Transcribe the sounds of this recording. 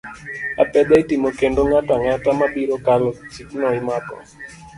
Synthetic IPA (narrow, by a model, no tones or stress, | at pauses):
a̰pɛd̪aitimokendoŋataŋatamaɓiɾokalɔt͡ʃiknɔɪmakɔ̰